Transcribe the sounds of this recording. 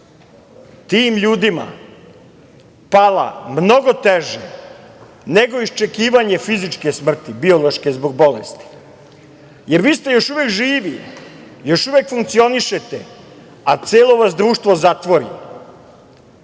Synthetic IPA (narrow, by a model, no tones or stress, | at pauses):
t̪iːmʎuːd̪ima̰ | pala̰mno̞ɡo̞t̪eʒḛ | ne̞ɡo̞ist͡ʃe̞kiːʋaɲe̞fizit͡ʃkesmr̩t̪ibio̞lo̞ʃkezboɡbo̞lḛst̪i̥ | jeɾʋiːst̪e̞jo̞ʃuʋekʒiːʋi | jo̞ʃuʋekfuŋkt̪sio̞niʃet̪e | at̪seːlˠo̞ʋasd̪ɾuːʃt̪ʋo̞zat̪ʋo̞ɾḭ